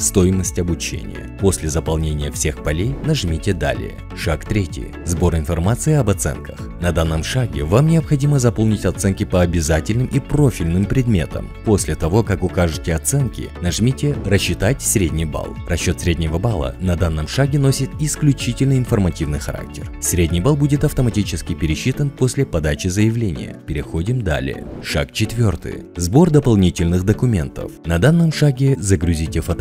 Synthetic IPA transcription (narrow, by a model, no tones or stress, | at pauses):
st̪o̞jɪməsʲtʲɐbʊt͡ɕḛnʲɪ̰jə̰po̞sʲlʲɪzəpɐlˠnʲenʲɪjəfsʲe̞xpɐlʲejnɐʐmʲitʲɪd̪a̰lʲɪ̰jə̰ | ʂakt̪ɾʲetʲɪ̰j | zbo̞ɾɪnfɐrmat̪sɨɪɐbɐt̪sɛ̰nkʰəx | nɐd̪anːəmʂaɡʲɪ̰vamnʲɪəpxɐdʲiməzɐpo̞lˠnʲɪtʲɐt̪sɛnkʲɪpəɐbʲɪzatʲɪlʲnɨmʔipro̞fʲɪlʲnɨmpɾʲɪd̪mʲe̞̰t̪ə̰mposʲlʲɪt̪ɐvo̞kakʊkaʐɨtʲɪɐt̪sɛnkʲɪ̰nɐʐmʲitʲɪrəɕːɪt̪atʲsɾʲedʲnʲijba̰lˠrɐɕːo̞t̪sɾʲedʲnʲɪvəbalˠə̰nɐd̪anːəmʂaɡʲɪnosʲɪt̪ɪsklʲʉt͡ɕitʲɪlʲnɨɪnfərmɐtʲivnɨjxɐɾa̰k̚tʲɪrsɾʲedʲnʲijbalˠbudʲɪt̪ɐft̪əmɐtʲit͡ɕɪskʲɪpʲɪɾʲɪɕːit̪ənposʲlʲɪpɐd̪at͡ɕɪzəjɪvlʲenʲɪ̰jə̰pʲɪɾʲɪxo̞dʲɪmd̪a̰lʲɪ̰ə̰ʂa̰kt͡ɕɪt̪vʲo̞rt̪ɨ̰jzbo̞rd̪əpɐlˠnʲitʲɪlʲnɨxd̪əkʊmʲe̞̰nt̪ə̰fnɐd̪anːəmʂaɡʲɪzəɡɾʊzʲitʲɪfɐt̪